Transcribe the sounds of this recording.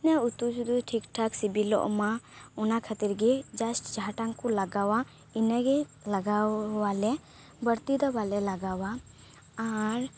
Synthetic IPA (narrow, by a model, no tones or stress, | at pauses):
nɛut̪ud͡ʒud̪uʈʰikʈʰaksibilɔ̰ʔmaɔnakʰat̪iɾɡɛd͡ʒasʈd͡ʒaʈaŋkulaɡawa | inɛɡɛlɐɡawalɛ | bəɽt̪id̪abalɛlaɡawaː | ɾ